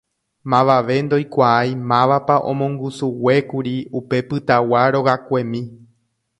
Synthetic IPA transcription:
mãʋaʋe̞nd̪o̞jkʷaajmãʋapaʔõ̞̰mõŋɡusuwe̞kuɾiupe̞pɨt̪awaɾo̞ɣakʷe̞mĩ

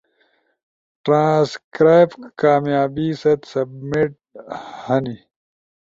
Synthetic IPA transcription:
ʈɾãːskɾaːjbkaːmjaːbisɐt̪sɐbmiʈ̚ | hɐni

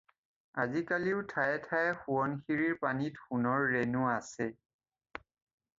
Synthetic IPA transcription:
azikaliʊtʰajɛtʰajɛxuɔnxiɹiɹpanitxunɔɹːenuasɛ

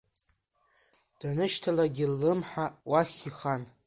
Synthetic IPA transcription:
d̥anɨʃtʰalaɡʲɪlːɨmħawaχʲiχan

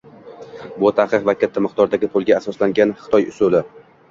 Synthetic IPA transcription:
bʊt̪ʰaqɨqvakʲʰat̪ʰːamɨqt̪ʰɒɾd̪aɡʲɪpʰʊlˠɡʲaasɒslaŋɡʲanχɨ̥t̪ʰɒjʊ̰sʊlɪ

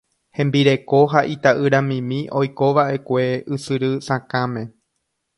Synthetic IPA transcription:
hẽ̞mbiɾe̞ko̞ɦaʔit̪aʔɨɾãmĩmĩʔo̞jko̞ʋaʔe̞kʷe̞ɨsɨɾɨsãkãmẽ̞

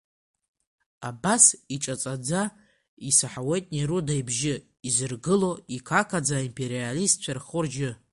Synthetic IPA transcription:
abasiʈ͡ʂʼat͡sʼad͡za | isaħawe̞jtʼniɾudajbʒɪ | izɨrɡɨlo̞ikʷʰakʰad͡zaimpʰe̞ɾialist̚t͡ʃʷʰarχʊrd͡ʒɪ

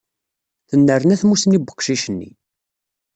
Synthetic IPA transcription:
θənːəɾənæθmusnibə̥qːʃiʃənːḭ

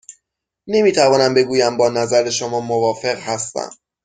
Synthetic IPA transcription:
ne̞miːt̪ʰævɒːnæmbe̞ɡuːjæmbɒːnæzæɾeʃomɒːmovɒːfe̞ɣhæst̪æ̰m

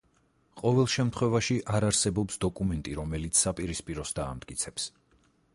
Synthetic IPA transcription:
qʼɔvɛlˠʃɛmt̪ʰχwɛvaʃiʔaɾaɾsɛbɔpsd̪ɔkʼumɛnt̪ʼiɾɔmɛlit̪sʰsapʼiɾispʼiɾɔsd̪a̰ːmt̪ʼkʼit̪sʰɛps

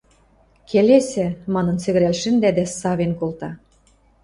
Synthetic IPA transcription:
kʰelesɘ̆mɑnɤ̆nsɘ̆ɣɘ̆ɾælʃɘ̆nd̪æd̪æsɑβenkolt̪ɑ

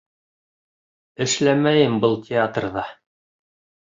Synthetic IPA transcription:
ɘ̆ʃlæmæjɘmbɤlˠtʲɪat̪rðɑ

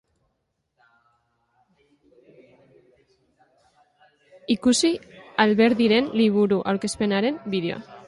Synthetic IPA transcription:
ikusialβe̞ɾðiɾe̞nliβ̞uɾuʔawɾke̞spe̞naɾe̞mbiðe̞oa̰

